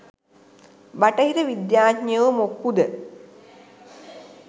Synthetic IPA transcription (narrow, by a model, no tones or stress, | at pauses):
baʈəɦiɾəʋid̪jaːtɲjəʋəmokːud̪ə